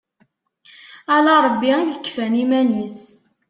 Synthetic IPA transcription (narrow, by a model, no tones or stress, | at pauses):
alaɾˤəbːijəkːfænimænis